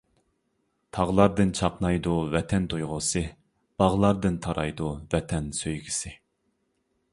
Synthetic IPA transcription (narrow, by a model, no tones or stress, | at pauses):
t̪ʰɑʁlˠɑɾd̪ɨnt͡ʃʰɑqnɑjd̪uvɛt̪ʰɛnt̪ʰojʁʊsɨ | b̥ɑʁlˠɑɾd̪ɨnt̪ʰɑɾɑjd̪uvɛt̪ʰɛnsøjɡʲisɪ